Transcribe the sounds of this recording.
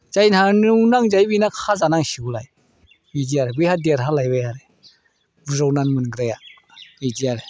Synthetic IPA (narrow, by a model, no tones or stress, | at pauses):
zajnhanɯwnaŋzajbinakʰazanaŋsiulaj | bid͡ʒiaɾebɯjhadiaɾɦalajbajaɾe | bɯzɔwnanmɯnɡɾaja | ijd͡ʒiaɾe